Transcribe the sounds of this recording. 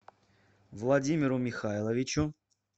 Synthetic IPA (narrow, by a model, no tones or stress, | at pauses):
vlˠɐdʲimʲɪɾʊmʲɪxajlˠəvʲɪt͡ɕʊ